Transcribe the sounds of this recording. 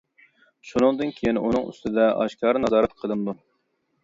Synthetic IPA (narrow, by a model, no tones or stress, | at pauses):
ʃunɨŋd̪ɨnkʲʰejinṵnɨŋy̰st̪ɪd̪ɛʔɑ̰ʃkʲʰɑːɾnɑzɑːɾɛt̪qʰəlˠɨnd̪u